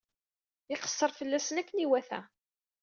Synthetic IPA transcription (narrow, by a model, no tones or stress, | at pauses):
ɪqə̥sːəɾˤfəlːæsənækːniwæθæ̰